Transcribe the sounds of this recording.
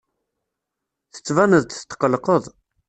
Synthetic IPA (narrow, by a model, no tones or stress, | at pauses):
θə̥t͡sːvænəðt̪θt̪ːə̥qəlqəðˤ